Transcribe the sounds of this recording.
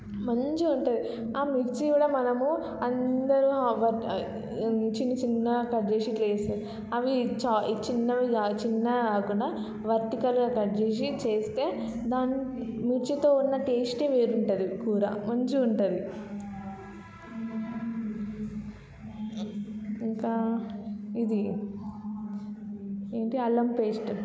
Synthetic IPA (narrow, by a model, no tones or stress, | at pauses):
mɐɲt͡ʃiuɳʈɐd̪i | aːmikt͡ʃiʋiɽɐmɐnɐmu | ɐnd̪ɐɾuʋɐ | t͡ʃinːit͡ʃinːɐkɐɖd͡ʒeːʃileːseː | ɐʋit͡ʃat͡ʃinːɐʋiɡaːt͡ʃinːɐaːkuɳɖa | ʋɐɾt̪ikɐlɡaːkɐɖd͡ʒeːʃ̬it͡ʃe̞ːst̪e̞ːd̪aːnːmut͡ʃɐt̪o̞ːunːɐʈeːsʈeːʋeːɾuɳʈɐd̪ikuːɾɐmɐɲt͡ʃuuɳʈɐd̪i | iŋkaː | id̪i | eːɳʈiɐlɐmpeːsʈ